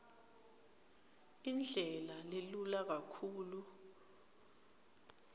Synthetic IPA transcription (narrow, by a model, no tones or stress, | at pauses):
ind͡ɮʱɛlalelulak̬akʰuːlu